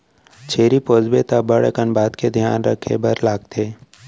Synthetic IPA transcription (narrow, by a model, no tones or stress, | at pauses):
t͡ʃʰeːɾipoːd͡ʒbet̪abəɽekənbaːt̪ked̪ʱja̰ːnɾə̰kʰːḛbɐɾlaːɡ̚t̪ʰeː